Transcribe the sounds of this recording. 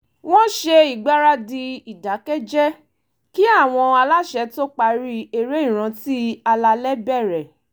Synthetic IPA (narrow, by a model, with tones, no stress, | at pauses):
w̃ɔ̃˦ʃe˧i˨ɡ͡ba˦ɾa˦di˧i˨da˨˦kɛ˦d͡ʒɛ˦ | ki˦a˦˨w̃ɔ̃˧a˧la˦ʃɛ˧to˦k͡pa˧ɾi˦e˨ɾe˦ĩ˦˨ɾ̃ã˧ti˦a˧la˧lɛ˦bɛ˦˨ɾɛ˨